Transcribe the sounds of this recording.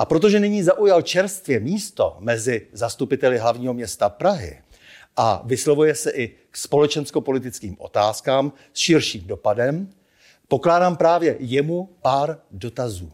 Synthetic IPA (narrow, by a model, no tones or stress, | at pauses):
ʔapɾot̪̬o̞ʒɛnɪɲiːzaʔujalt͡ʃɛɾst̪vjɛmiːst̪o̞̰mɛzɪzast̪upɪt̪ɛlɪɦlavɲiːɦo̞mɲɛst̪apɾaɦɪ̰ | ʔa̰vɪslovujɛsɛʔɪ | kspo̞lɛt͡ʃɛnskopo̞lɪt̪ɪt͡skiːmʔo̞̰t̪aːskaːm | sʃɪɾʃiːmdo̞padɛm | po̞klaːdaːmpɾaːvjɛjɛmupaːɾdo̞t̪azuː